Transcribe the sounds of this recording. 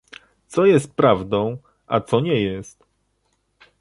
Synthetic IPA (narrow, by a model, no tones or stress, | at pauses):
t̪sɔjɛst̪̚pɾavd̪ɔ̃w̃ | ʔa̰t̪sɔɲɛjɛst̪